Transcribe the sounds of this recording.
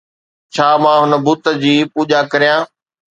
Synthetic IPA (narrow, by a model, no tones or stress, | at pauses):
t͡ɕʰaːmãːɦʊnə̆bʊt̪ə̆d͡ʑiːpuːʄakɐɾijãː